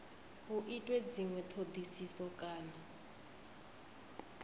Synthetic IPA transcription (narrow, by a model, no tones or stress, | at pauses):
ɦuʔitʼwed͡ziŋwɛtʰodisisɔkʼaːla